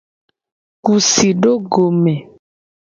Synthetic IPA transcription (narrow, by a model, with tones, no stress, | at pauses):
ku˨si˨ɖo˦ɡo˨mɛ̃˨